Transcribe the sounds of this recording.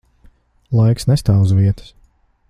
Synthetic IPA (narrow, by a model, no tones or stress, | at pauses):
lˠajksnɛst̪aːuzviɛt̪ə̥s